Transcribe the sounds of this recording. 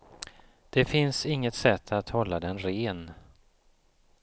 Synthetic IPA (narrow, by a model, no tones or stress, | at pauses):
d̪̥ɛfɪnsɪŋːət̪sɛt̪ʰːat̪hɔlːad̪ɛnɾeːn